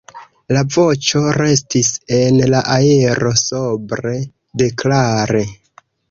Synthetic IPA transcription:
lavo̞t͡ʃo̞ɾe̞stise̞nlaʔaiɾo̞so̞bɾe̞ | de̞klaɾe

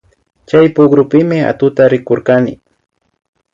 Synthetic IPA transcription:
t͡ʃajpʊɡɾʊpɪmɪa̰t̪ʊt̪aɾɪkoɾkanɪ̰

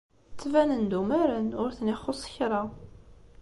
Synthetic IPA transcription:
t͡sːvænənd̪umæɾənʊɾθnɪχːʊsˤçɾˤɑ

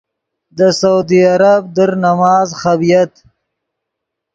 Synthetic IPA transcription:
d̪əsaud̪iaɾab̚d̪əɾnamɑːzxabijat̪

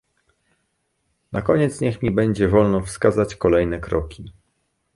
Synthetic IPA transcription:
nʔakɔɲɛt̪sɲɛxmʲibɛɲd͡ʑɛvɔlnɔfskazat͡ɕkɔlɛjnɛkɾɔkʲi

